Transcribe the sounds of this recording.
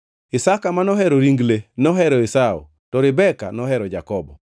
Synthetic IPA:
ɪsakamanɔɦɛɾɔɾiŋɡlenɔɦɛɾɔisao̰ | tɔɾɪbɛka̰nɔɦɛɾɔd͡ʒakɔbɔ̰

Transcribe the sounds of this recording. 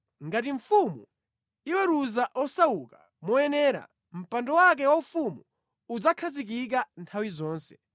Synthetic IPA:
ŋɡatiɱ̩fumṵ | iwɛɾuzaʔɔsauka | mɔɛnɛːɾa̰ | m̩pandɔwak̬ɛwaufumu | ud͡zakʰazik̬ik̬antʰawizɔːnsɛ̥

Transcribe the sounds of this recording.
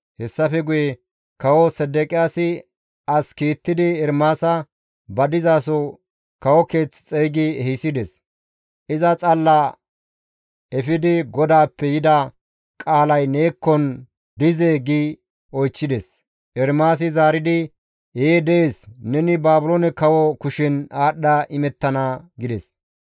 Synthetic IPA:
hɛsːɐfɛɡʊjɛ | kɐwɔsɛd̪ːɛkʼɪjaːsɪ | ɐskiːt̪ːɪd̪ɪɛɾmaːsɐ | bɐd̪ɪzaːsɔ | kɐwɔke̞ːt͡sːt͡sʼɛjɡɪɛhɪsɪd̪ɛs | ʔɪzɐt͡sʼɐlːɐ | ɛfɪd̪ɪɡɔd̪aːpːɛjɪd̪ɐ | kʼaːlɐjneːkːɔn | d̪ɪzeːɡɪ | ɔjt͡ʃːɪd̪ɛs | ɛɾmaːs̬ɪzaːɾɪd̪ɪ | jeːd̪ɛeːsnɛnɪbaːbʊlonɛkɐwɔkʊʃɪnaːɗːɐʔɪmɛt̪ːɐnɐɡɪd̪ɛs

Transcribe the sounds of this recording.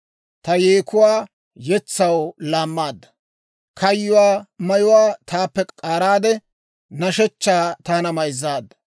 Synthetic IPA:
t̪ɐjeːkʊwaː | jɛt͡sːɐwlaːmːaːd̪ːɐ̥ | kʰɐjːʊwaːmɐjʊwaːt̪aːpːɛkʼaːɾaːd̪ɛ | nɐʃɛt͡ʃːaːt̪aːnɐmɐjzːaːd̪ːɐ̥

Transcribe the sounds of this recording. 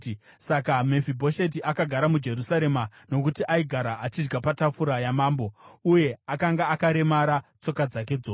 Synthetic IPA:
sakame̞fibʱo̞ʃet̬iʔakaɡʱaɾamud͡ʒe̞rusaɾe̞mano̞k̬utiʔaiɡʱaɾaʔat͡ʃid͡ʒɡapatafuɾajamaːmbo̞uje̞akaŋɡaːkaɾe̞maɾat͡so̞kad͡zake̞d͡zoː

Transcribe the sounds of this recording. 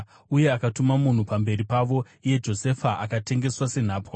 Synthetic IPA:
uje̞akatumamun̤upambe̞ɾipaʋo̞ | ije̞d͡ʒo̞se̞faʔakate̞ŋɡe̞swase̞n̤aːpwa

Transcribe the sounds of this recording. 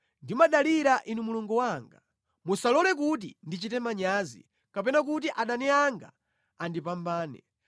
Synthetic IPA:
ndimaɗaliɾaʔinumuluŋɡuwaŋɡa | musalɔlɛk̬ut̬ḭndit͡ʃitɛmaɲaːzḭ | kapɛnak̬ut̬iʔaɗanɛaŋɡa̰ | andipambaːnɛ̰

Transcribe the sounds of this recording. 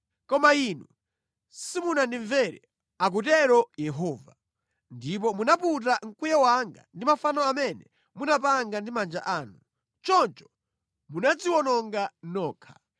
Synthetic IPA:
kɔmainu | simunandiɱvɛɾɛ̰ | ak̬utɛɾɔjɛɦɔːva̰ | ndip̬ɔmunaput̬aŋ̩kujawaŋɡa̰ndimafanɔamɛnɛ | munap̬aŋɡandimand͡ʒa̰ʔaːnu | t͡ʃɔnt͡ʃɔ̥ | munad͡ziwɔnɔŋɡanɔːkʰḁ

